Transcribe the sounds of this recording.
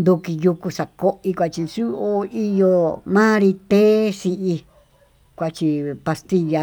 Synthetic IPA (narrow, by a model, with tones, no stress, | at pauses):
nd̪u˧ki˧ju˧ku˧sa˨ko˦ʔi˧kʷa˧t͡ʃi˧su˦o˧i˦jo˧mã˦ɾi˧t̪e˦si˧ʔi˧ | kʷa˧t͡ʃi˧pa˧st̪i˦˧ja˧